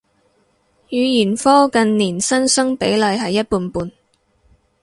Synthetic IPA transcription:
jyː˨˧jyː˨˩nfɔː˥kɐ˨nniː˨˩nsɐ˥nsɵ˥ŋpe˨˥jlɐ˨˧jɦɐ˨jːɐ˥t̚puː˨˧npuː˨˧n

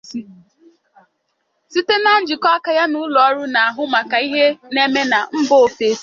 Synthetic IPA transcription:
i˦ | si˦te˦na˦n̩˦d͡ʒi˨kɔ˦a˦ka˨˦ja˦nʊ˦lɔ˨ɔ˦ɾʊ˦na˨a˨ɦʊ˦ma˨ka˨i˦ɦe˦ne˦me˦na˨m̩˦bo˦˨fe˨˦

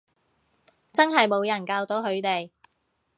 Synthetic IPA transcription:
t͡sɐ˥nɦɐ˨jmo˨˧wjɐ˨˩nkaː˧wt̪o˨˥ɦɵ˨˧ɥt̪e˨j

